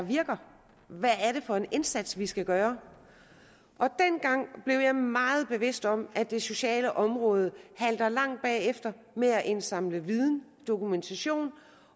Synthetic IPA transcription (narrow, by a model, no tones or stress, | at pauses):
ʋiɐɡ̥ɐ | ʋææɐɾe̝fɒ̽e̝ne̝nsæd̥sʋisɡ̥æɡ̥ɶːɐ | ʔɒ̽d̥enɡ̥ɑ̈ŋ̰b̥le̝ʊjɑ̈ɪmɑ̈ːð̞̩ˠb̥e̝ʋe̝sd̥ɒ̽m̰ʔæd̥e̝so̝ɕɛ̰ːləʔɒ̽mʁɔ̽ːð̞ˠəhæl̰d̥ɐlɑ̈ŋ̰d̥̚b̥ɛ̰ːefd̥ɐ | meæʔe̝nsɑ̈mləʋið̞ˠn̩ | d̥o̝kʰument͡sʰæɕo̝̰ːn